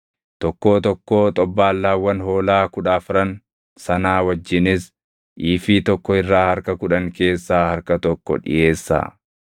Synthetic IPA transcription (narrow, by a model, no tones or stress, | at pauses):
t̪ɔkːo̞ːt̪ɔkːoːt̪ʼɔbːaːlːaːwːɐnho̞ːlaːkʊᶑaːfɪɾɐn | sɐnaːwɐd͡ʒːɪnɪs | ʔiːfiːt̪ɔkːɔɪrːaːhɐɾkɐkʊᶑɐŋke̞ːsːaːhɐɾkɐt̪ɔkːɔ̰ᶑɪ̰je̞ːsːa̰ː